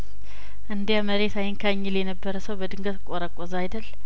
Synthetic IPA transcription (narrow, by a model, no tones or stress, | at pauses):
ʔɨnd̪jaməɾet̪ajɪnkʰaɲːɪljɛnəbːəɾəsəwbəd̪ɨŋɡət̪kʼoɾəkʼːozajd̪əl